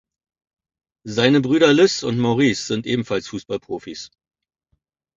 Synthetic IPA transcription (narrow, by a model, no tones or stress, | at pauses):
zaɪnəbʁyːɾɐlʏsʊntmɔʊʁiːsz̥ɪntʔeːbm̩falsfuːsb̥alpʁ̥oːfis